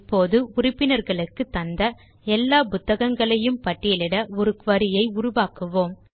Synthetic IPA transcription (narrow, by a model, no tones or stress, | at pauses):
pːoːðɯʊrɪpːɪnɐɾɣɐɭɯkːɯt̪ːɐnd̪ɐ | ɛlːaːpʊt̪ːɐɣɐŋɡɐɭɐjɯmpɐʈːɪjɐlɪɽɐɔɾɯkʋɐɾɪjɐɪʊɾʊʋaːkɯʋoːm